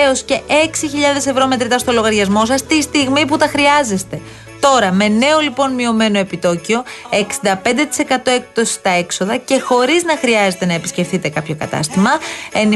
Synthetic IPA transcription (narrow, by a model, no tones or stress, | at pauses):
o̞sce̞ʔe̞ksiçiʎɐðe̞se̞vɾo̞me̞t̪ɾit̪ɐst̪o̞lo̞ɣɐɾʝɐzmo̞sɐst̪ist̪iɣmiput̪ɐxɾiɐze̞st̪e̞ | t̪o̞ɾɐme̞ne̞o̞lipo̞nmio̞me̞no̞e̞pit̪o̞cio̞e̞ksind̪ɐp̞nd̪e̞t̪i̥se̞kɐt̪o̞ek̚t̪o̞si̥st̪ɐe̞kso̞ðɐce̞xo̞ɾiznɐxɾiɐze̞t̪enɐe̞pisce̞fθit̪e̞kɐpço̞kɐ̰t̪ɐ̰st̪imɐe̞n